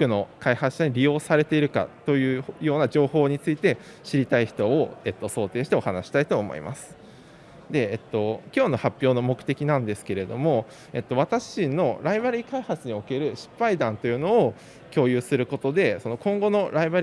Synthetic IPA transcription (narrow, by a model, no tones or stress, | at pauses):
kɯ̟no̞kaihaɨ̥ɕaɲ̟iɾʲijo̞ːsaɾe̞t̪e̞iɾɯ̟ka̰t̪o̞jɯ̟ːjo̞ːnad͡ʑo̞ːho̞ːɲ̟it͡sɨit̪e̞ | ɕiɾʲit̪aiçi̥t̪o̞ːe̞t̪ːo̞so̞ːt̪e̞ːɕi̥t̪e̞o̞hanaɕi̥t̪ait̪o̞ːmo̞̰ḭmʔa̰sɨ̥ | d̪e̞ːt̪ːo̞kʲo̞ːno̞hapʲːjo̞ːno̞mo̞kɯ̟t̪e̞kʲinãnd̪e̞sɨ̥ke̞ɾe̞d̪o̞mo̞ | e̞t̪ːo̞β̞at̪aɕino̞ɾaibaɾʲiːkaihat͡sɨɲ̟io̞ke̞ɾɯ̟ɕi̥pːaid̪ãnt̪o̞jɯ̟ːno̞ː | kʲo̞ːjɯ̟ːsɨɾɯ̟ko̞t̪o̞d̪e̞so̞no̞kõ̞ŋɡo̞no̞ɾaibaɾʲ